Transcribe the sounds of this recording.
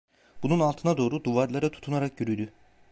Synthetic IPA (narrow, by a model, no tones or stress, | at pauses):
b̥ununalˠt̪ʰɯnad̪o̞ːɾud̪uvaɾlˠaɾat̪ʰu̥t̪ʰunaɾak̚ɟyɾyd̪y